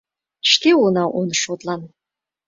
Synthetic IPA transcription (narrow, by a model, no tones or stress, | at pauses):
ʃt̪eonɑʔonʃot̪lˠɑn